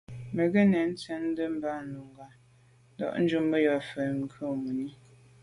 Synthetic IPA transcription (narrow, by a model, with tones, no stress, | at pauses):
mə˨ɣe˦nɛ˨n̩˦t͡sə˦n̩˦də˦m̩˦ba˦˨n˨lu˨ŋ˨ɡa˨˦ | dɔ̰˦˨ʔn̩˦d͡ʒu˦mbə˦jɔ˨fə˨ŋ˨˦kʰo˦˨mu˨ni˦